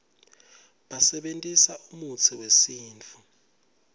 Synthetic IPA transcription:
ɓasɛɓentʼisaumut͡sʰiwesiːnt͡fʰu

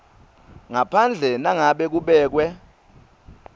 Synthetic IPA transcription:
ŋapʰand͡ɮʱɛnaŋaɓɛk̬uɓɛːk̬wɛ

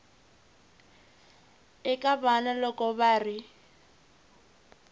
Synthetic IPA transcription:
ɪkʼabanalɔkʼɔβaːrɪ

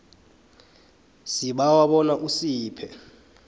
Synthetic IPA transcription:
siɓawaɓɔnaʔusiːpʰɛ

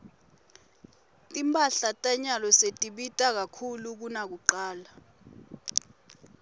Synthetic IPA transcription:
tʼimpʼaɬatʼaɲalɔsetʼiɓitʼak̬akʰuluk̬unak̬uǃaːla

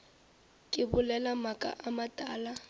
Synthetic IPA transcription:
kʼɪbʊlɛlamakʼa̰ʔamatʼaːla

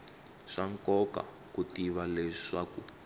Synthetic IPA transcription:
ʂaŋkɔka̰ | kutiβalɛʂaku

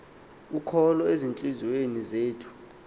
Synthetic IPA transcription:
ukʰɔlɔezint͡ɬʼiziwenizeːtʰu̥

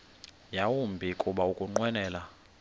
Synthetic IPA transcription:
jawumbʱikʼuɓaukʼuŋ͡ǃwɛnɛːla

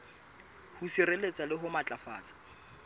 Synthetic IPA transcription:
husirelet͡sʼalɪɦʊmat͡ɬʼafa̰ːt͡sʼḁ

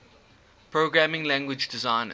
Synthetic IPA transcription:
pʰɹoɡɹæmɪ̃ŋlæ̃ŋɡwɪd͡ʒdɪzãɪ̃n

